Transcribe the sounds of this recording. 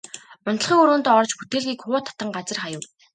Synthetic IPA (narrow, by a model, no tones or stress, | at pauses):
ʊnt̪ə̆ɮχiːŋɵɾoːnt̪ːɔrt͡ɕput̪eːɮɣiːkχʊːt̪ʰḁt̪ə̆ŋɢat͡sə̆rχajʊ̆w